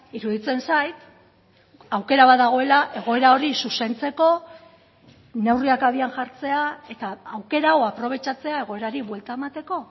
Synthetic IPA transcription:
iɾuðit͡se̞nsajt̪ | awke̞ɾaβaðaɣ̞o̞e̞laʔe̞ɣ̞o̞e̞ɾao̞ɾisuse̞nt͡se̞ko̞ | ne̞wriakaβianʝaɾt͡se̞ae̞t̪aːwke̞ɾawapɾo̞β̞e̞t͡ʃat͡se̞ae̞ɣ̞o̞e̞ɾaɾiβwe̞lt̪aemat̪e̞ko̞

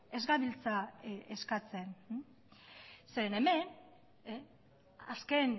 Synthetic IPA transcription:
e̞zɣaβilt͡saeskat͡se̞n | seɾene̞me̞n | aske̞n

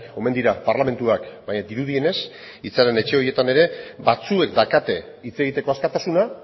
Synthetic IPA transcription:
o̞me̞nd̪iɾapaɾlame̞nt̪uakbaɲad̪iɾuð̞ie̞ne̞s | it͡saɾe̞ne̞t͡ʃe̞o̞ɾie̞t̪ane̞ɾe̞bat͡sue̞kd̪akat̪e̞ | it͡se̞ɣ̞it̪e̞ko̞askat̪asuna

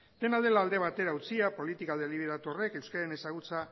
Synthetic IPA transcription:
d̪̥e̞nald̪e̞laːld̪e̞β̞at̪e̞ɾaut͡siapo̞lit̪ikaðeliβ̞eɾat̪uore̞ke̞wskaene̞saɣut͡sa

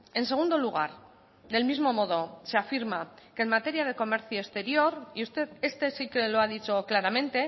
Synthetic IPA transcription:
e̞nseɣund̪o̞luɣ̞a̰ɾ | ðe̞lmizmo̞mo̞ðo̞seafiɾmake̞ːnmat̪e̞ɾjaðe̞ko̞me̞ɾθjoest̪e̞ɾjo̞ɾiust̪e̞ðe̞st̪e̞sikeloað̞it͡ʃo̞klaɾamẽ̞nt̪e̞

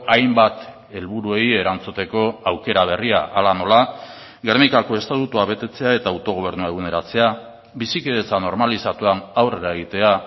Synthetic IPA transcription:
ajmbat̪ | e̞lβuɾue̞je̞ɾant͡sut̪e̞ko̞awke̞ɾaβ̞e̞riaʔalano̞la | ɡermikako̞e̞st̪at̪ut̪uaβe̞t̪e̞t͡se̞ae̞t̪awt̪o̞ɣ̞o̞β̞e̞ɾnuae̞ɣ̞uneɾat͡se̞a | bisikeðet͡sano̞ɾmalisat̪uanawre̞ɾaeɣ̞it̪e̞a

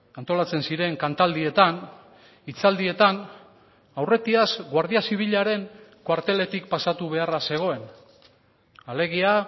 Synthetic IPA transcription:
ant̪o̞lat͡se̞nsiɾe̞ŋkant̪ald̪ie̞t̪an | it͡sald̪ie̞t̪an | awre̞t̪iazɡwaɾð̞iasiβ̞iʎaɾe̞ŋkwaɾt̪e̞le̞t̪ikpasat̪uβ̞e̞arase̞ɣ̞o̞e̞n | ale̞ɣ̞ia

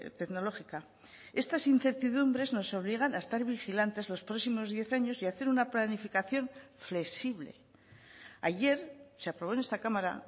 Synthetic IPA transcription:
t̪e̞kno̞lo̞xika | e̞st̪asinθe̞ɾt̪iðumbɾe̞zno̞so̞β̞liɣ̞anaest̪aɾβixilant̪e̞zlo̞spɾo̞ksimo̞zðje̞θaɲo̞siaθe̞ɾunaplanifikaθjo̞ɱfle̞siβlḛ | aʝe̞ɾseapɾoβo̞ne̞st̪akamaɾa̰

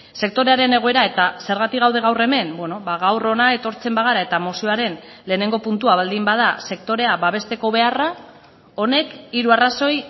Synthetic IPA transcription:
se̞k̚t̪o̞ɾe̞aɾe̞ne̞ɣo̞eɾae̞t̪ase̞ɾɣ̞at̪ikɣawð̞e̞ɣ̞awre̞me̞nbwe̞no̞βaɣawro̞nae̞t̪o̞ɾt͡se̞mbaɣ̞aɾae̞t̪amo̞sioaɾe̞n | le̞ːne̞ŋɡo̞punt̪uaβald̪imbað̞ase̞kt̪o̞ɾe̞aβaβ̞e̞st̪e̞ko̞β̞e̞ara | o̞ne̞kiɾuaraso̞j

